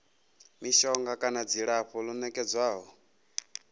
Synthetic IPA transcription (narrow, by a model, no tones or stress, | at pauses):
miʃɔŋɡakʼanad͡ziɺaɸɔlunɛkʼɛd͡zwaːɦɔ